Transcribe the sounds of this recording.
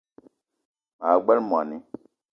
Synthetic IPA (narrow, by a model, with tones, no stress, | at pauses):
a˨ɡ͡bɛ˦lm˨a̰˨ni˦